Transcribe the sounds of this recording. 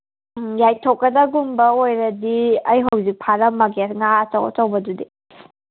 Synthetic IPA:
jajtʰokːɐdɐɡumbɐojɾɐdiɐjɦɐwzik̚pʰaɾɐmːɐɡesŋaɐt͡ʃɐwɐ̰t͡ʃɐwbɐdudi

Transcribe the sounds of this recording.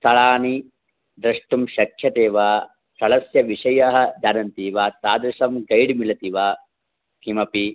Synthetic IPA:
t̪ʰɐɭaːni | d̪ɾɐʂʈumʃɐkʰjɐt̪eːʋaː | sɐɭɐsjɐʋiʂɐjɐɦɐ̆d͡ʒ̪aːnɐnt̪iːʋaːt̪aːd̪ɾɐʂɐmɡɐjɖmilɐt̪iʋaː | kimɐpi

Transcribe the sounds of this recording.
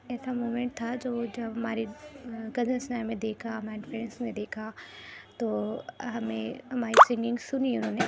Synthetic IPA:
ɛːsamoːmẽɳʈ̚t̪ʰad͡ʒoːd͡ʒɐbɦɐmaːɾikɐd͡ʒənsnaːjmẽd̪eːkʰaɦmaːnfɾɛ̃ːnsmẽd̪eːkʰat̪oːɦɐmẽɦɐmaːɾisɪ̃ŋɡɪ̃ŋɡsʊniʊnɦõːne

